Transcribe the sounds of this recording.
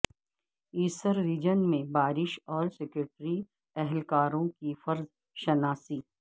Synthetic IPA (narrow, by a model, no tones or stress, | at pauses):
iːsəɾːiːd͡ʒənmẽbaːɾɪʃɔːɾsɛkɾoːʈɾi | ɛɦɛlkaːɾõkifɐɾz | ʃɐnaːsiː